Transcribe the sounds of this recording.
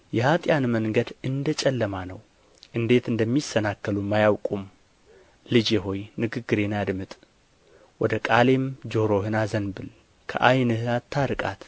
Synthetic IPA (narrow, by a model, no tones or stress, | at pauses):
jɛhat̪ʼjanməŋɡəd̪ɨnd̪ət͡ʃʼɛlːəmanəw | ʔɨnd̪e̞t̪ɨnd̪əmːisːənakːəlumːajawkʼum | lɨd͡ʒeɦo̞jnɨɡɨɡːɨɾe̞nad̪mɨt̪ʼ | wɔd̪əkʼale̞md͡ʒo̞ɾo̞ɦɨnazənbɨl | kʰə̰ʔajnɨhɨat̪ʰːaɾɨkʼa̰t̪